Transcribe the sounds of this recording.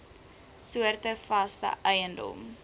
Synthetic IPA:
suərtəfɐstə̰ʔœjəndɔ̰m

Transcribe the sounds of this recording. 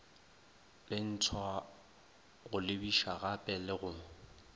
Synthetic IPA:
lɪn̩tʰwa | ɣʊlɪbiʃaɣapʼɛlɪɣʊŋ̩

